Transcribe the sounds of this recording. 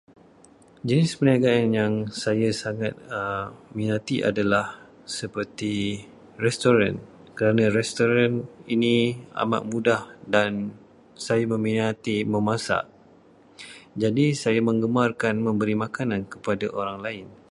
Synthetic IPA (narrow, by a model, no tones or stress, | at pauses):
d͡ʒənɪspəniaɡaanjaŋsajasaŋat̪̚minat̪iʔa̰dalah | səpərt̪i | rɛst̪oɾan | kəɾanãɾɛst̪oɾaninia̰ma̰ʔ̚mũdahdan | sajamə̃mĩnat̪imə̃mãsa̰ʔ | d͡ʒadisajamə̃ŋɡəmarkanmə̃mbəɾimakanãnkə̥padaʔoɾaŋlaɪn